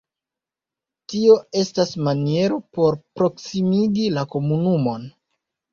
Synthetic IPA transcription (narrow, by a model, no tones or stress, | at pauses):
tio̞e̞stasmanie̞ɾopo̞ɾpɾo̞ksimiɡilako̞munumo̞n